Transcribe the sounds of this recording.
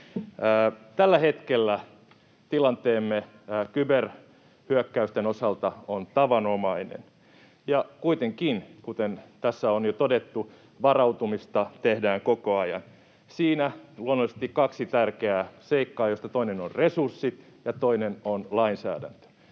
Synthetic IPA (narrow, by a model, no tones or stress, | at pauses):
t̪ælːæhet̪kelːæ | t̪ilɑnt̪eːmːe | kyber | hyøkːæyst̪enosɑlt̪ɑont̪ɑʋɑnomɑinḛn | jɑkuit̪eŋkinkut̪ent̪æsːæonjot̪odet̪ːu | ʋɑrɑut̪umist̪ɑt̪ehdæːŋkokoɑjɑ̰n | siːnæluonːolisest̪ikkɑksit̪ærkeæseikːɑːjost̪ɑt̪oinenorresursːit̪ | jɑt̪oinenonlɑinsæ̰ːdæ̰nt̪ø̥